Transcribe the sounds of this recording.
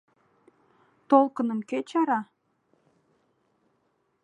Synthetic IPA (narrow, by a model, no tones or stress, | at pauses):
t̪olˠkənə̆mket͡ɕɑɾɑ